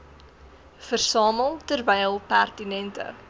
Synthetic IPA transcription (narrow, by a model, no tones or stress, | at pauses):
fərsɑːməlˠtərvɛjəlˠpærtinɛntə̰